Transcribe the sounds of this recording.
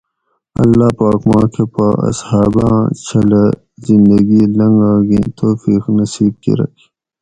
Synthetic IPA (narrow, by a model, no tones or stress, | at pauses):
ɐlːaːpaːkmaːkʰepaɐ̰shaːbɑ̰̃ːt͡ʃʰɐle | zind̪ɐɡilɐŋɡaːɡit̪ʰoːfiːqnɐsiːb̚kḭɾɐ̰kʰi̥